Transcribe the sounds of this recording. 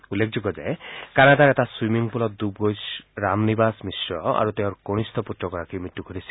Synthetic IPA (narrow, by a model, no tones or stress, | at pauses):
ulːekʰd͡ʒuɡɔd͡ʒaekanad̪aɾetaswimiŋpulɔt̪d̪ubɡojsɾamnibasmisɾɔa̰ɾut̪eõɾkoɽ̃ist̪ʰɔput̪ːɔkɔɾakimiʈːuɡʱɔɾisʰi̥